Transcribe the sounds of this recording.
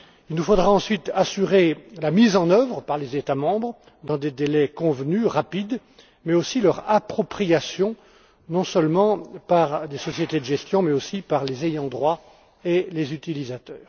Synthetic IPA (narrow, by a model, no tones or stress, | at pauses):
ilnufod̪ʁaɑ̃sɥit̪asyʁelamizɑ̃nœvʁəpaʁlezet̪amɑ̃bʁ | d̪ɑ̃d̪ed̪elɛkɔ̃vnyʁapid̪ | mɛosilœʁapχɔpχijasjɔ̃ | nɔ̃sœlmɑ̃paʁd̪esɔsjet̪ed̪əʒɛst̪jɔ̃mɛosipaʁlezejɑ̃d̪ʁwa | elezyt̪ilizat̪œːʁ